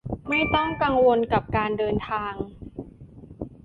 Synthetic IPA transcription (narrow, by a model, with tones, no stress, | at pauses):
ma˥˩jt̪ɔ˥˩ŋka˧ŋwo˧nka˨˩p̚kaː˧ndɤː˧nt̪ʰaː˧ŋ